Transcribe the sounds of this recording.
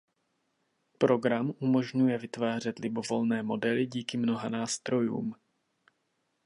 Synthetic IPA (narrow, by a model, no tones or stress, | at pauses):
pɾo̞ɡɾamʔumo̞ʒɲujɛvɪt̪vaːr̝ɛt̪lɪbo̞vo̞lnɛːmo̞dɛlɪɟiːkɪmno̞ɦanaːst̪ɾo̞jṵːm